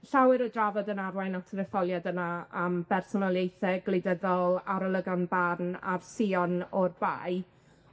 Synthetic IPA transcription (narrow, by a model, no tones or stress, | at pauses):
ɬawɨɾədravɔdənarwajnatʰəðɛfɔlˠjadənaːmb̥ɛrsɔnɔlˠjejθɛɡlˠejdəðɔlˠaɾəlˠəɡanbarna̰rsiɔnɔrba̰j